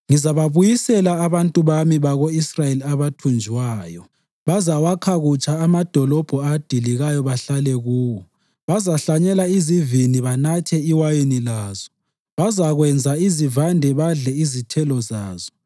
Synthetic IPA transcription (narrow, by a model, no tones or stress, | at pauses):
ŋizaβaβujisɛlaːβantʼuβamiβaɣoisrajeliaβatʰund͡ʒʱiwaːjɔ | βazawakʰaɣut͡ʃʰʼaːmad̥ʱɔlɔb̥ʱɔad̥ʱiliɣajɔβaɬalɛɣuːwɔ | βazaɬaɲɛlaiziviniβanatʰɛiwajenilaːzɔ̥ | βazaɣwɛnd͡zʱaizivandʱɛβaɮɛizitʰɛlɔzaːz̥ɔ̥